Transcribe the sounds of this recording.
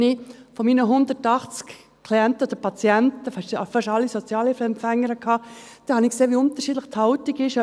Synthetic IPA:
nifɔmiːnəɦʊnd̪əɾtɑχt͡sk | kʰliɛntəod̥̪əpɑt͡siɛntəfɑʃfɑʃɑlːisot͡sjɑːlifɛmpfɛŋːəɾəkʰhɑːd̥ɛhɑnikseːʋiʊnt̪əɾʃiːdləχthɑʊtɪkɪʃ

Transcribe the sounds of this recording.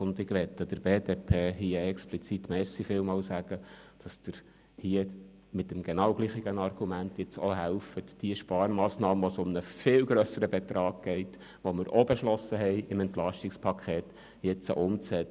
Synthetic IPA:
ʊnd̪ɪɡʋɛt̪ːəd̥̪əɾbeːdeːpʰeːhiːəɛksplit͡sit̪mɛːsifɪːlmɑːlsæɡ̥əd̥ɑsd̥̪əɾ | hiə | mɪt̪əmɡenɑwɡliːχiɡənɑrɡ̥umænt̪jɪt͡soɦælfət̪d̥iəʃpɑːɾmɑːsnɑːməʋosʊmnəfɪːwɡɾœsəɾəbɛt̪ɾɑːɡ̥̚ɡ̥ɛɪt | ʋoməɾʔobeʃlɔsəɦɛɪɪmɛnt̪lɑʃtɪkspʰɑkʰχeːt̪ | jɪt͡sə̰ʔʊmt͡sɛ

